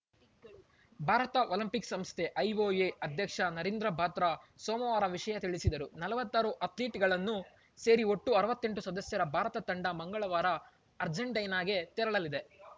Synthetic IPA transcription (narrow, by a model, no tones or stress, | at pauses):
bʱaːɾɐt̪ɐʔoːlimpiksɐmst̪ʰe̞ʔɐjoːjeɐd̪ʱjɐkʂɐnɐɾiːnd̪ɾɐbʱaːt̪ɾɐsɔːmɐʋaːɾɐʋiʂɐjɐt̪iɭisid̪ɐɾunɐlɐʋɐt̪ːaːɾuʔɐt̪liːʈɡɐɭɐnːu | se̞ːɾioʈːuɐɾɐʋɐt̪ːe̞ɳʈusɐd̪ɐsjɐɾɐbʱaːɾɐt̪ɐt̪ɐɳɖɐmɐŋɡɐɭɐʋaːɾɐː | ɾd͡ʒɐɳʈɐjnaːɡe̞t̪ɛɾɐɭɐlid̪e̞